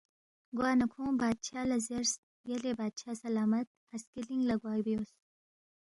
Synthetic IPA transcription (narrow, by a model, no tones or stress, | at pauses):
ɡwɑːnakʰõbɑːd̪̚t͡ʃʰɑːlazeɾs | jelebaːd̪̚t͡ʃʰaːsɐlɑːmat̪̚haskiliŋlaɡwɑːjbijos